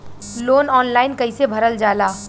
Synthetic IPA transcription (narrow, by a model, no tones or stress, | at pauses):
loːnɔːnlaːɪnkɐisebʱɐɾəld͡ʒaːlaː